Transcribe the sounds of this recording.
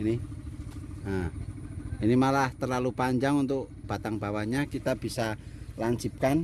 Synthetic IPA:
ini | ə | inimalaht̪ərlalupaɲd͡ʒaŋunt̪ʊkb̥at̪aŋbawaɲakit̪ab̥isalaɲt͡ʃip̚kan

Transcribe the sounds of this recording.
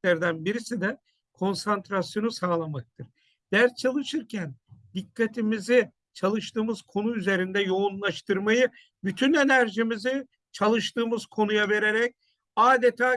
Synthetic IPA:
æɾd̪ænbiɾisid̪ɛ | kʰo̞nsant̪ɾasjo̞nusaːlˠamak̚t̪ʰɯɾ̥ | d̪̥æɾt͡ʃʰalˠɯʃɯɾcʰænd̪ikʰːat̪ʰimizɪ | t͡ʃʰalˠɯʃt̪ɯːmɯz̥kʰo̞nuyze̞ɾind̪ɛjo̞unlˠaʃt̪ʰɯɾmajɯ | byt̪ʰyne̞næɾʒimizi | t͡ʃʰalˠɯʃt̪ɯːmɯz̥kʰo̞nujave̞ɾe̞ɾɛc̚ | aːd̪et̪ʰaː

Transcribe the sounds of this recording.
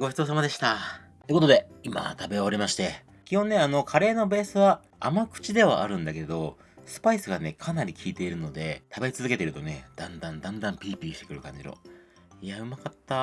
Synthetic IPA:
ɡo̞çʲit̪o̞ːs̬amad̪e̞ɕi̥t̪a | eɯkot̪o̞d̪e̞ima̰t̪abe̞ɾʲimaɕi̥t̪e̞ | kʲihõ̞nːe̞ano̞kʰaɾe̞ːno̞be̞ːsɨβa | a̰makɯ̟̥t͡ɕid̪e̞β̞a̰ʔa̰ɾɯ̟̃nd̪ake̞d̪o̞ | sɨ̥paisɨɡane̞kʰanaɾʲikʲiːt̪e̞iɾɯ̟no̞d̪e̞t̪abeit͡sɨzɨke̞t̪eɾɯ̟t̪o̞ne̞d̪̥ãnd̪ãnd̪ãnd̪ãmpʲiːpʲiːi̥t̪e̞kɯ̟ɾɯ̟kã̰ɲ̟d͡ʑiɾo̞̰ | iaɯ̟makat̪ːa

